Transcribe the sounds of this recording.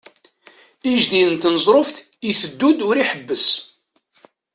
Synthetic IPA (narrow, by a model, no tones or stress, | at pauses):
iʒd̪iənt̪nəzˤɾˤofθ | iθəd̪ːud̪ʊɾiħəbːəs